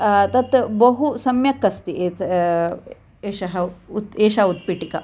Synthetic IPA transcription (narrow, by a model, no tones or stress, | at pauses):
t̪ɐt̪bɐɦusɐmjɐkːɐst̪ieːt̪ | eːʃɐɦɐut̪eːʃaut̪̚piʈikɐ